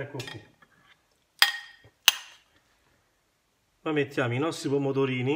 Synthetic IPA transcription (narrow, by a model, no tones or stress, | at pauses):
ɛkːukːi | mamːet̪ːjaːminɔst̪ːɾipomːot̪̬oɾiːni